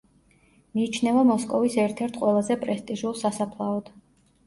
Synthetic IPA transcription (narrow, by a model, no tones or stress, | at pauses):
miːt͡ʃʰnɛvamɔskʼɔvisɛɾt̪ʰɛɾt̪ʰqʼwɛlˠazɛpʼɾɛst̪ʼiʒulˠsasapʰlˠaɔd̪̥